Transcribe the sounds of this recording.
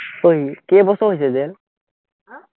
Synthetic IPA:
ojkebɔsɔɦojsɛzel

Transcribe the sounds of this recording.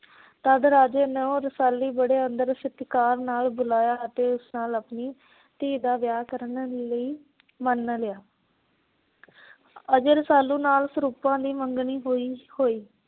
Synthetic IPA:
t̪əd̪ɾaːd͡ʒeːneːõːɾəsaːlːiːbəɽeːənd̪əɾsɪt̪kaːɾnaːlbʊlaːjaːət̪eːʊsnaːləpniː | t̪iːd̪aːʋjaːkəɾənləiː | mənlɪjaː | əd͡ʒeɾəsaːlːũːnaːlsɾuːpãːd̪iːməŋɡɳiːɦoːiːhoːiː

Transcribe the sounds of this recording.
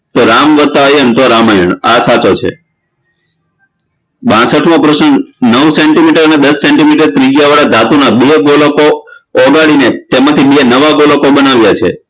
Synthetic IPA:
t̪oɾamʋət̪ajənt̪oɾamajəɳ̃a̰sat͡ʃot͡ʃʰḛ | bãsəʈʰmõpɾəsəɳnəwsɛɳʈimiʈəɾəned̪əsːeɳʈimiʈəɾt̪ɾid͡ʒijaʋaɽad̪ʱat̪unabeɡoləkoːɡaɽinet̪emat̪ʰibeenəʋaɡoləkobənaʋjat͡ʃʰḛ

